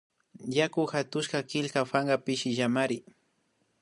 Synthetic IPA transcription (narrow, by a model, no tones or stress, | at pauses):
jakʊxat̪ʊʃkakɪlkafaŋɢɑpɪʃɪʒamaɾɪ